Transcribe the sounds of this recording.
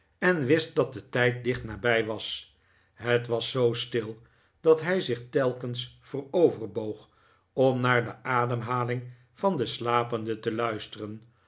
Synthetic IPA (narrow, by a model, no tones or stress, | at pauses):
ɛnʋɪst̚dɑt̚dətɛjt̚dɪχtnaːbɛjʋɑs | ɦətʋɑsːowstɪlˠ | d̥ɑtɦɛjzɪχtɛlˠkənsfərowvərbowχ | ɔmnaːɹdəʔaːdəmɦaːlɪŋ | v̥ɑndəslaːpəndətəlœɥstərən